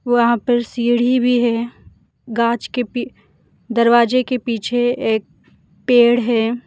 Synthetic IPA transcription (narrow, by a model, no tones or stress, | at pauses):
ʋoːɐɦãpəɾsiːɽ̤ibʱiɦɛː | ɡãːt͡ʃkei | d̪ɐɾʋaːd͡ʒekepiːt͡ʃʰeeːk̚ | peːɽ̤ɦɛː